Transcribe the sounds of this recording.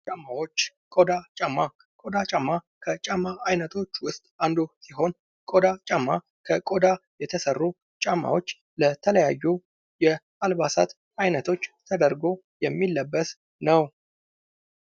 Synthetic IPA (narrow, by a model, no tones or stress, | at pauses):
t͡ʃʼamːawot͡ʃː | kʼod̪at͡ʃʼamːa | kʼod̪at͡ʃʼamːa | kʰət͡ʃʼamːaʔajnət̪ʰo̞t͡ʃːwʊst̪ʼand̪osiɦo̞n | kʼod̪at͡ʃʼamːa | kʰəkʼod̪ajɛt̪ʰəsərːu | t͡ʃʼamːa̰wot͡ʃː | lət̪ʰələjajːu | jɛʔalbasa̰t̪ | ajnət̪ʰo̞t͡ʃːt̪ʰəd̪əɾɡo̞ | jɛmːilːəbːəs | nəw